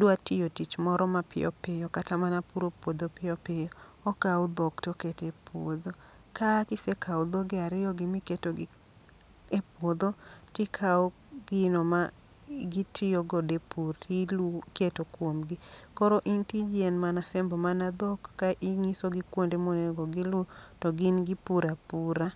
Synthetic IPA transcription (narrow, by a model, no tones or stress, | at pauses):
dwatɪjotit͡ʃmɔɾɔmapɪ̰jʔɔ̰pɪjɔkatamanapuɾopwod̪opɪjɔpɪjoɔkaʊd̪ɔktoketepʰwo̰d̪o | kakɪsekʰaud̪oɡɪaɾɪjɔɡɪmɪketoɡɪ | epwod̪otɪkʰaɔ | ɡ̥ɪnɔma | ɡitʰɪoɡodepurtiketokwomɡɪkɔɾɔʔintid͡ʒenmanasɛmbɔmanad̪ɔkːaʔiŋisoɡɪkwondemoneɡoɡɪlʊtɔɡɪnɡɪpuɾapuɾa